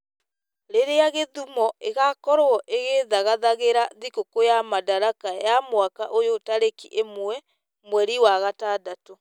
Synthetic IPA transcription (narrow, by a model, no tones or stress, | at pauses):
ɾeɾeaɣeðumɔeɣakɔɾoɔʔeɣeðaɣaðaɣeɾaðikokojamadaɾakajamwakaʔojotaɾekiʔemwɛ | mwɛɾiwaɣatadato